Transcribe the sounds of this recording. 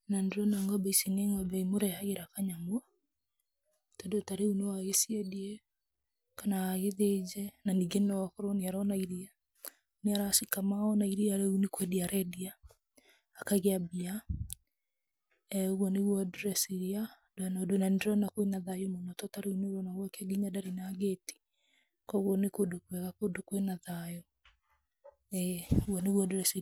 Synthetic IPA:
nandeɾɔnaŋɡɔbɛisineŋɡɔbɛimoɾɛhaɣeɾakaɲamwa | tɔdotaɾeunewaɣesiɛdiɛ | kanaːɣeðed͡ʒɛnaniɡenɔakɔɾɔneaɾɔnaiɾia | neaɾasikamaɔnaiɾiaɾɛunekwɛdiaɾɛdiaː | kaɣeabia | ɛoɣwɔneɣwɔduɾɛsiɾia | d̥oanɔdwenandeɾɔnakwenaðajomonɔtɔtaɾeuneɾɔnaɣwɔkɛɡiɲadaɾinaːɡeti̥ | kɔɣwɔnekodokwɛɣakodokwenaðajɔ | ɛoɣwɔneɣwɔdoɾɛsi

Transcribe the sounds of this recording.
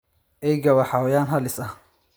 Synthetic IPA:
ʔɛjɡɐwɑħawjaːnɦɐlɪsɐ

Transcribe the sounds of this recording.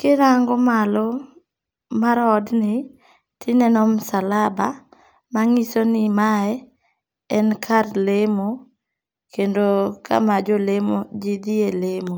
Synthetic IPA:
kɪɾaŋɡɔmalɔ | maɾɔdnɪ | tʰɪnɛnɔmsalaba | maŋisonɪmaɛ | ɛnkʰarlemo | kendokʰa̰mad͡ʒolemod͡ʒid̪ielemo

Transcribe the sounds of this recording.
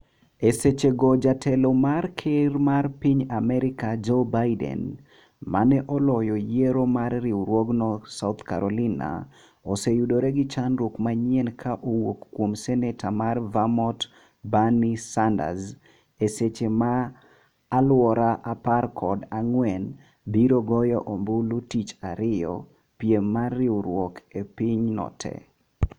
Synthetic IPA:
eset͡ʃeɡɔd͡ʒatʰɛlomarkʰɪrmarpiɲamɛɾɪkad͡ʒobajdɛ̰n | manɛʔɔlɔjɔjeɾomarːiɾwoɡnɔsaʊt̪ka̰ɾolina̰ | osejudoɾɛɡɪt͡ʃanɾukmaɲɛnkʰaʔowokːwomsɛnɛtʰamarvamɔt | banisanda̰z | eset͡ʃemaː | lwɔɾaʔaparkʰɔdaŋwɛn | biɾoɡɔjɔʔombʊlutit͡ʃaɾɪjɔ̰ | pjemːarːɪuɾwɔkepiɲnɔ̰tʰɛ̰

